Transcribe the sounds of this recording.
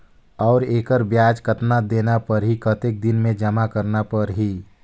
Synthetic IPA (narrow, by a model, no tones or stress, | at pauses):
ɔːɾeːkəɾbjaːd͡ʒkət̪nad̪eːnapɐɾɦikət̪ek̚d̪ɪnmẽd͡ʒɐmakəɾnapɐɾɦiː